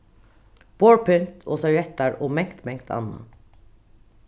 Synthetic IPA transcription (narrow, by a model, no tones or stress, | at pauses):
b̥oːɹpʰʏnt̪ʰo̰ːsɑɹɛt̪ɑɹoːmɛŋt̪mɛŋkt̪ʰɑ̰nɑ̰